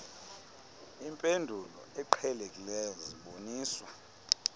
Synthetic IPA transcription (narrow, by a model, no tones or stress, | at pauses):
impʼendʱulɔ̰ɛǃʰɛlekʼilɛziɓoniːswa